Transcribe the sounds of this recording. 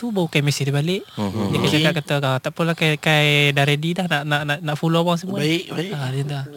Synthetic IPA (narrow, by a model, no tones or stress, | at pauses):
t̪ubawukajmɛsihd̪ubalɪʔdikajt͡ʃakat̪̚kat̪aat̪aʔpulakakajdaɾedidahnaʔnaʔnaʔnaʔfuloawaŋs̬əmuaɪʔaadənt̪a